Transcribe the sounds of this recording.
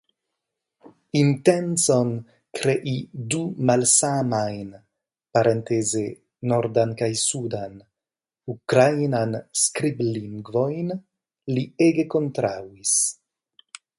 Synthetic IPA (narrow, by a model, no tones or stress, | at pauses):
int̪enson | kɾeʔid̪umalsamajn | paɾent̪ezeː | oɾd̪ankajsud̪an | ukɾajnanskɾibliŋɡvojn | lieɡekont̪ɾawis